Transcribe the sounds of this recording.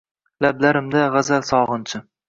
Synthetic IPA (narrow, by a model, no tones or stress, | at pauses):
lablaɾɪmd̪aʁazalsɒʁɨnt͡ʃʰɪ